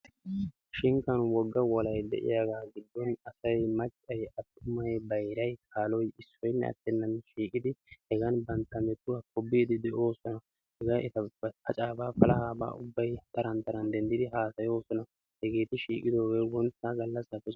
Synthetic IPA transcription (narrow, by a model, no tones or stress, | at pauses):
ʃɪŋkːɐnwɔɡːɐwɔlɐjd̪ɛ̰ʔɪ̰jaːɡaːɡɪd̪ːɔnɐsɐjmɐt͡ʃʼːɐjɐt̪ːʊmɐjbɐjɾɐjkʰaːlɔjɪsːɔjnːɛ̰ɐ̰t̪ːɛnːɐnʃiːkʼɪd̪ɪhɛɡɐnbɐnt̪ːɐmɛt̪ːʊwakʰɔbiːd̪ɪd̪ɛʔo̞ːsɔnɐ | hɛɡaːʔɪt̪ɐpʰɐt͡ʃʼaːbaːfɐlɐhaːba̰ːʔʊbːɐjt̪ɐɾɐnt̪ɐɾɐnd̪ɛnd̪ɪd̪ɪɦaːsɐjo̞ːsɔnɐ | hɛɡe̞ːt̪ɪʃiːkʼɪd̪o̞ːɡeːwɔnt̪ːaɡɐlːɐsɐfːɛ